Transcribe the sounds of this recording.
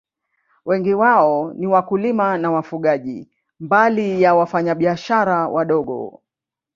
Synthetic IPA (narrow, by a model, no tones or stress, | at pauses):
wɛŋɡiwaɔniwakulimanawafuɠaʄḭ | mbalijawafaɲaɓiaʃaɾawʔaɗɔɠɔ̰